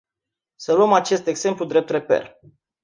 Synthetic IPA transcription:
səluəmat͡ʃe̞st̪e̞ɡze̞mplud̪ɾe̞p̚t̪ɾe̞pḛl

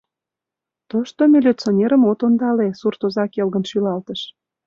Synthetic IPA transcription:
t̪oʃt̪omʲelʲet͡sonʲeɾəmot̪ond̪ɑlesurt̪ozɑkelɣə̆nʃylɑlt̪əʃ

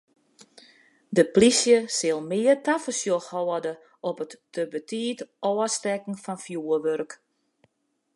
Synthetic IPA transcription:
dəplisjəsɪlˠmɪərtafəsjoxhɔːdə | ʔɔpətːəbətʰiːtɔːəstɛkn̩fɔnfjuːəʋørk

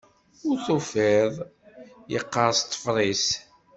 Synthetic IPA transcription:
ʊɾθufɪðˤjəqːəɾˤst̪ˤːə̥fɾˤis

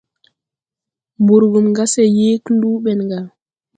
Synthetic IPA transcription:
mbuɾɡumɡasɛjeːkluːɓɛnɡa

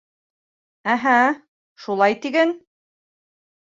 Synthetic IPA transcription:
æɦæ | ʃulˠɑjt̪iɡæn

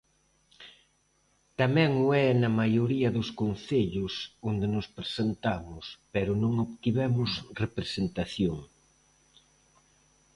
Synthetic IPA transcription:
t̪amɛ̃ŋʊɛnɐmajoɾiɐðʊskonθeʎʊsond̪enʊspɾesent̪amʊspɛɾʊnõŋoβt̪iβɛmʊsrepɾesent̪aθjoŋ

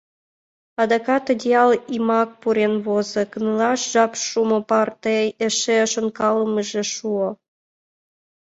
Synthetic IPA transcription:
ɑd̪ɑkɑt̪id̪ʲeɑlimɑk̚puɾenβozɤ̆kə̆nəlɑʃʒɑpʃumopɑrt̪eĕʃeʃonkɑləməʒĕʃuo

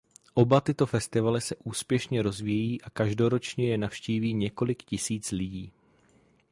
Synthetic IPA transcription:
ʔo̞bat̪ɪt̪o̞fɛst̪ɪvalɪsɛʔuːspjɛʃɲɛɾo̞zvijiːʔakaʒdo̞ɾo̞t͡ʃɲɛjɛnafʃciːviːɲɛko̞lɪkcɪsiːt͡slɪɟiː

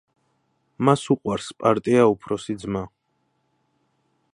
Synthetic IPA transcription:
masuqʼwaɾspʼaɾt̪ʼiaupʰɾɔsid̪zma

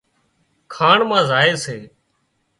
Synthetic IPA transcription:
kʰaːɳmãːzaːeːseː

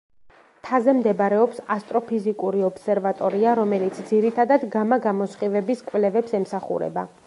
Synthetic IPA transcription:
t̪ʰazɛmd̪ɛbaɾɛɔpsast̪ʼɾɔpʰizikʼuɾiɔpsɛɾvat̪ʼɔɾiaɾɔmɛlit̪sʰd̪ziɾit̪ʰad̪ad̪ɡamaɡamɔsχivɛbiskʼvlɛvɛpsɛmsaχṵɾɛ̰ba

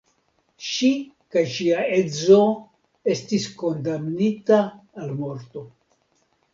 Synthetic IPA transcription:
ʃi | kajʃiae̞zo̞ | e̞stisko̞ndamnitaːlmo̞ɾto̞

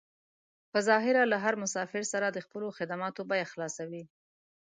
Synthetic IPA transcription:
pəzɑɦɪɾalaɦaɾmʊsɑfɪɾsaɾad̪əxpəloxɪd̪amɑt̪obajaxlɑsawi

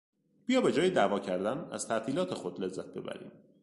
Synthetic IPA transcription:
b̥ijɒːbe̞d͡ʒɒːjed̪ævɒːcʰæɾd̪ænæ̰z̥t̪ʰæʔt̪ʰiːlɒːt̪ʰe̞xod̪le̞zːæt̪̚ʰbe̞̰bæ̰ɾḭːm

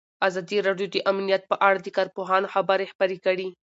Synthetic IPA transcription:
azɑd̪iɾɑɖjod̪əʔamnijat̪̚pəʔaɽad̪əkɑɾpoɦɑnoxabaɾexbaɾekəɽi

